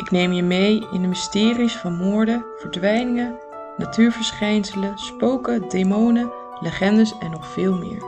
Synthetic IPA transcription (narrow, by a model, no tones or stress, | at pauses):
ʔɪknejmjəmejɪndəmɪstɪːrisfɑnmʊːɹdəv̥əɹdʋɛjnɪŋə | natyːɹvəɹsχɛjnsələspowkədejmownə | ləχɛndəsɛnːɔχfɪːlˠmɪ̰ːɹ